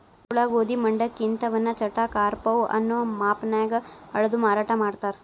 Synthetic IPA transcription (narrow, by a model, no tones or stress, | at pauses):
kuɭaʋoːd̪imɐɳɖɐkint̪ɐʋɐnːɐt͡ʃɐʈːakaːɾpɐʋʔɐ̰nːoːmaːpnaːjɐɡɐɐɭɐd̪umaːɾaːʈʰɐmaːɽt̪aːɾ